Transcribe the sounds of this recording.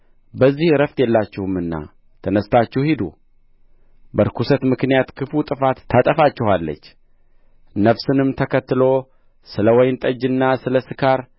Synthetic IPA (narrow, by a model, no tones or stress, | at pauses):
bəzːihɾəft̪ʼjɛlːat͡ʃːɪhɨmɨnːa̰ | t̪ʰənəst̪ʰat͡ʃːɛhhid̪ṵ | bəɾkʰusət̪mɨknijat̪kʰɨfut̪ʼɨfat̪ʰːat̪ʼəfat͡ʃːɪhalːə̰t͡ʃː | nəβsɨnɨmt̪ʰəkʰət̪ːɨlo̞ | sɨləwɔjnt̪ʼəd͡ʒɨnːasɨləsɨkʰaɾ